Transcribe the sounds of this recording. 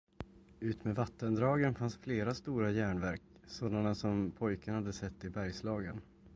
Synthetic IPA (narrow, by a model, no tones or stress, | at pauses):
ʉ̟ːt̪meːvat̪ːənd̪ɾɑːɡənfansfleːɾast̪uːɾajæːɳvæɾk | soːd̪anasɔmpʰɔjkənɳhad̪ːəsɛt̪ːɪbæɾjslɑːɡən